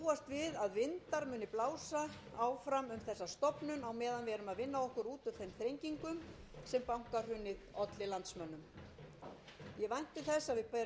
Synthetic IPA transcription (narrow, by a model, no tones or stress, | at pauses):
uːast̪vɪðaðvɪnt̪aɾmʏːnɪplaːwsa | awfɾamʏmθɛsːast̪ɔpnʏnawmɛːðanvɛːɾʏmaðvɪnːaɔhkʏɾuːt̪ʏθejmθɾejɲciŋkʏm | sɛmpawŋ̥kaɾ̥hʏnːɪðɔt̪lɪlant̪smœnːʏm | jɛvajn̥t̪ɪθɛsːaðvɪpa